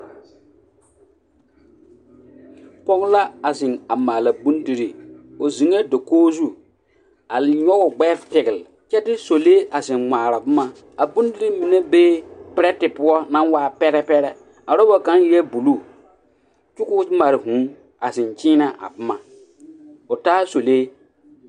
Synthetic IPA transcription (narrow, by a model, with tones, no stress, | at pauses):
pɔ˦ɡla˦a˨sɪ˨ŋa˨maː˨la˨bu˦n˦di˦ɾi˨o˨zi˨ŋe˦do˨koː˦zu˦ | a˨lɲɔ˦ɣʊ˨ɡ͡bɛ˦fpɪ˨ɡɪ˨lɪ˨t͡ʃɛ˦tɪ˦so˨leː˦ʔa˨zɪ˨nŋʷaː˨ɾa˨bʊ˦ma˦ | a˨bu˦n˦di˦ɾi˦mi˨ne˦beː˦pɪ˦ɾɛ˦tɪ˨pʊ˦ɔ˦nã˦nwaː˦˨pɛ˦ɾɛ˦pɛ˦ɾɛ˦ | a˨ɾɔ˦bɔ˦ka˨˦n˦jɛ˦bu˨lu˦ | t͡ʃʊ˦kʊ˦ma˨ɾɪ˨ɦũ˨˦ | a˨zɪ˨nt͡ʃiː˦na˦ʔa̰˨bʊ˦ma˨ | ʊ˨taː˦so˨leː˦